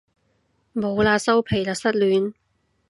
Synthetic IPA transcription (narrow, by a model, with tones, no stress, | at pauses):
mo˨˧wlaː˧sɐ˥wpʰe˨˩jlaː˨k̚sɐ˥t̚lyː˨˥n